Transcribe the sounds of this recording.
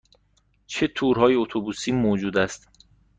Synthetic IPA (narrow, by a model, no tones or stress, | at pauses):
t͡ʃʰe̞t̪ʰuːɾhɒːjeot̪ʰobuːsiːmod͡ʒuːd̪æst̪